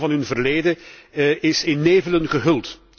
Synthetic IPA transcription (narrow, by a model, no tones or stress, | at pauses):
vɑnɦɵnvərleːdə | ɪsɪnːeːvələnɣəɦɵlˠt